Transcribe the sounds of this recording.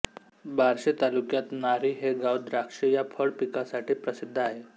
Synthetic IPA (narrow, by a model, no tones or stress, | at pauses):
bʱaɾɕet̪alukjat̪naɾiːɦeɡawd̪ɾakʂejapʰəɭpikasaʈiːpɾəsid̪ʱːəaɦe